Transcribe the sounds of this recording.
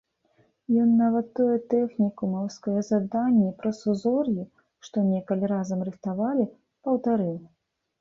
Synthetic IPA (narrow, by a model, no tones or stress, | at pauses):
jɔnːavɐt̪ːɔjɛt̪ɛxnʲikumɐwskɔjɐzad̪anʲːɛpɾɐsuzɔrji | ʂt̪ɔnʲɛkɐlʲiɾazɐmrɨxt̪avalʲi | pɐwt̪aɾɨw